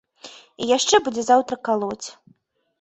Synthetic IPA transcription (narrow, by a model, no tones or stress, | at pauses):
ijaʂt͡ʂɛbud͡zʲɛzawt̪ɾɐkalˠɔt͡sʲ